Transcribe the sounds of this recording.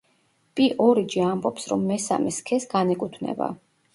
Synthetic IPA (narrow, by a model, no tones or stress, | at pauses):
pʼiʔɔɾid͡ʒiambɔpsɾɔmːɛsa̰mɛskʰɛsɡanɛkʼut̪ʰvnɛ̰ba̰